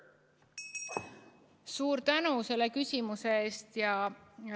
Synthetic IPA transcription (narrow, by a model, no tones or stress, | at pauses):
suːɾt̪ænuse̞lːe̞kysʲimuse̞eːst̪jɑ